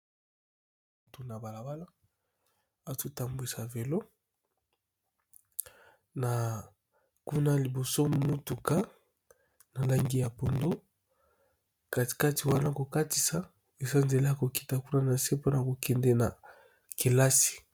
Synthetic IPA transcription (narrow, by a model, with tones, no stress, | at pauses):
tu˨na˨ba˨la˨ba˦la˦ | a˨tu˦ta˨mbi˨sa˨ve˨lo˦ | na˨ | ku˦na˦li˨bo˨so˦mu˦tu˨ka˦ | na˨la˦ŋɡi˦ja˨po˨ndo˦ | ka˨i̥˨ka˦ti˨wa˦na˦ko˨ka˦ti˨sa˨˦ | e˨sa˦nze˨le˦a˨ko˨ki̥˨ta˨ku˦na˦na˨se˦po˦na˨ko˨kɛ˨ndɛ˦na˨ | ki˨la˦si̥˨